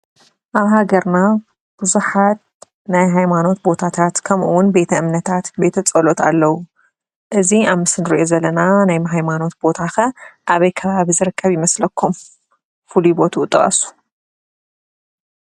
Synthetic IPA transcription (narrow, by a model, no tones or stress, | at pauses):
ʔaβhaɡɐɾna | b̥ɨzuħat̪̚ | najɦajmano̞t̪̚bo̞t̪ʰat̪ʰat̪kʰɐmʔuwʊnbe̞t̪ʰɐɨmnɐt̪ʰat̪be̞t̪ʰɐt͡sʼɐlo̞t̪ʰa̰lːɐwu | ʔɨziaβmɨsɨnɨɾiʔo̞zɐlɐnanajmɦajmano̞t̪̚bo̞t̪ʰaxɐʔaβɐjkʰɐβaβizɨɾɨkʰːɐβjɪmɐslɐkʰːum | fulubo̞t̪ʰuːt̪ʼːɨχʼɐ̰su̥